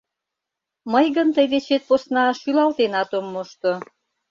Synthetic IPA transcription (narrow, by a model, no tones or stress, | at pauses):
məjɣənt̪əjd̪et͡ɕet̪̚posnɑʃylɑlt̪enɑt̪omːoʃt̪o